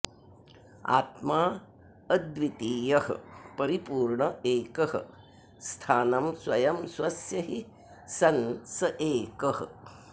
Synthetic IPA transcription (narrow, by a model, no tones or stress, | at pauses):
a̰ːt̪maː | ɐd̪ʋit̪iːjɐhɐ̰pɐɾipuːɾɳɐeːkɐhɐ̰ | st̪ʰaːnɐmswɐjɐmsʋɐsjɐɦi | sɐnsɐʔeːkɐhɐ̰̆